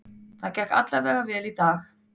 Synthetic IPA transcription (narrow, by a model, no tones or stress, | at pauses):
θaðcɛhka̰t̪lavɛːɾɣavɛːlit̪aːx